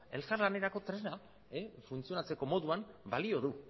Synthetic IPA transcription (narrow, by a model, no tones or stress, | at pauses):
e̞lkaɾlane̞ɾako̞t̪ɾe̞na | efunt͡sio̞nat͡se̞ko̞mo̞ðuambalio̞ðu